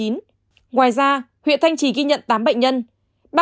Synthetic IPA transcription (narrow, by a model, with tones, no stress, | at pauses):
i˨˦n | ŋwaː˨˩jzaː˧ | hwḭ˧˨ənt̪ʰa˧jŋ̟t͡ɕi˧˩ɣi˧ɲə̰˧˨nt̪aː˨˦mɓə̰˧˨ŋ̟ɲə˧n | ɓa˧